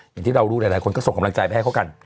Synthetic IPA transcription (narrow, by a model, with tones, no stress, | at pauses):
jŋt̪ʰiː˥˩ɾa˧wɾuː˦˥˩a˨˩jlaː˨˦jkʰnkɔ˥˩so˨˩ŋkmla˧ŋt͡ɕa˧jpa˧jha˥˩kʰka˧n